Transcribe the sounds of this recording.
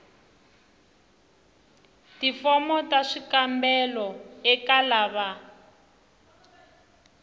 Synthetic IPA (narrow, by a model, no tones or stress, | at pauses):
tifɔmɔtaʂikambɛlɔɛkalaβa